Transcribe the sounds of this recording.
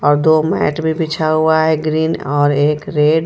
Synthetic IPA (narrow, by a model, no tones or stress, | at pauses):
ɔːɾd̪omɛ̰ːʈbʱibʱɪt͡ʃʰaɦuaɦɛɡɾiːnɔːɾeːkɾeːɖ